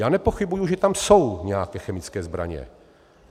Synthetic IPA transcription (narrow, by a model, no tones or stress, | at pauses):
jaːnɛpoxɪbujuʒɛt̪amso̞wɲɛjakɛːxɛmɪt͡skɛːzbɾa̰ɲɛ̰